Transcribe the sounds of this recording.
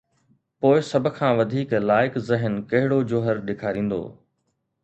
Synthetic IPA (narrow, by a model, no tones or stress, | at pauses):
poːɪsɐbʱʊ̆kʰãːʋɐd̪ʱiːklaːɪkzɪɦənkɐɦɪɽod͡ʑoːɦəɾɗɪkʰaːɾĩːn̆d̪o̰ː